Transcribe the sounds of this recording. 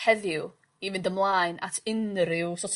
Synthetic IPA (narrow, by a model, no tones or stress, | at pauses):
ɛðɪw | ivɪndəmlˠajnʔa̰tʰɪnɾɪwsɔtʰ